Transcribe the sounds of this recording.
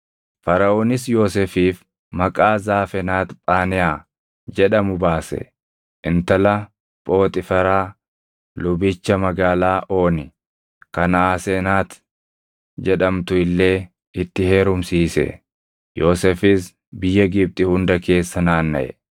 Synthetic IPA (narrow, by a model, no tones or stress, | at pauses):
fɐɾɐʔoːnɪsjo̞ːsefiːf | mɐkʼaːzaːfɛnaːt̪pʼaːnɪjaː | d͡ʒɛᶑɐmʊbaːsɛ̰ | ʔɪnt̪ɐlɐ | pʼo̞ːt̪ʼɪfɐɾaː | lʊbɪt͡ʃːɐmɐɡaːlaːʔo̞ːnɪ | kɐnaːseːnaːt̪ | d͡ʒɛᶑɐmt̪ʊɪlːe̞ː | ɪt̪ːɪhe̞ːɾʊmsiːsɛ̰ | jo̞ːsefɪs | bɪjːɐɡɪb̚t̪ʼɪhʊnd̪ɐke̞ːsːɐnaːnːɐ̰ʔɛ̰